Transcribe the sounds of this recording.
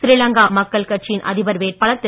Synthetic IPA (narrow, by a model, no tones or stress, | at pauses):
sɪɾɪlɐŋɡaːmɐkːɐɭkɐʈ̚t͡ʃɪjɪnʔɐ̰ðɪʋɐɾʋeːɾpɐɭɐt̪ːɪ